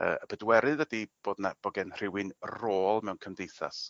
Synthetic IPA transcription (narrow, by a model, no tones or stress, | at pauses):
ə̰ːəb̥ədwɛɾɨðədib̥oːdnab̥ɔɡɛnr̥ɪwɨnroːlˠmɛwnkʰəmdejθa̰s